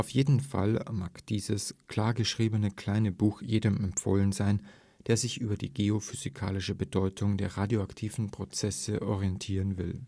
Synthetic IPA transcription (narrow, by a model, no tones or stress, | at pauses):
ʔaʊfjeːdn̩fa̰lmaːkd̥iːzəskl̥aːɐɡəʃʁ̥iːbənəkl̥aɪnəbuːxjeːdəmɛmfo̰ːlənzaɪn | d̥eːɐzɪçʔyːbɐdḭːɡeofyzikʰa̰ːlɪʃəbədɔʏtʰʊŋdeːɐʁaːdjoaktʰiːvn̩pʁ̥ot͡sɛsəʔɔʁiɛntʰiːʁənvɪl